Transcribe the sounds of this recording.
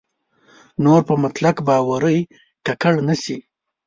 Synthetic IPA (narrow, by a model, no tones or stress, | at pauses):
noɾpəmat̪lakbɑwaɾəj | kakaɽnasi